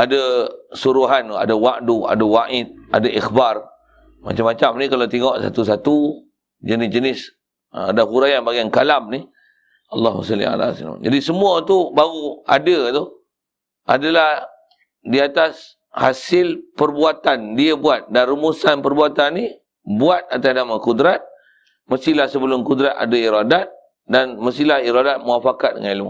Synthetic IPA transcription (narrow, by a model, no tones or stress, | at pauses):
adəsuɾuɦana̰dawaʔdua̰dawaʔɪt̪̚a̰daʔixbar | ma̰t͡ʃamːat͡ʃamnikalat̪eŋɔʔsa̰t̪us̬at̪u | d͡ʒənɪsd͡ʒənɪs | adaɦuɾajanbaɡiaŋkalamni | ɑlːɑhma̰salːḭa̰la̰sla̰d͡ʒadisəmũət̪ubaɣua̰dət̪u | ʔa̰dalah | diat̪as | ha̰sɪlpərbuat̪andiəbuat̪̚danrumusanpərbuat̪anːi | buat̪̚at̪asnamakudɾat̪̚ | məst̪ilahsəbəlʊmkud̪ɾat̪a̰daiɾadat̪̚ | danməst̪ilahiɾadat̪̚muafakat̪̚də̰ŋanilmṵ